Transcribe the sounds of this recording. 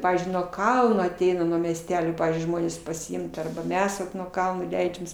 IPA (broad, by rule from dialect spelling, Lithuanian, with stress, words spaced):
ˈpɑːʋʲiːzʲd͡ʒʲʊɪ nuɔ ˈkɐlˠnoː ɐˈtʲɛɪnɐ nuɔ mʲiɛsʲˈtʲæːlʲoː ˈpɑːʋʲiːzʲd͡ʒʲʊɪ ˈʒmoːnʲeːs pɐsʲɪˈɪmt ɐrbɐ ˈmʲɛs ʋɐt nuɔ ˈkɐlˠnoː ˈlʲɛɪd͡ʒʲɛmʲeːs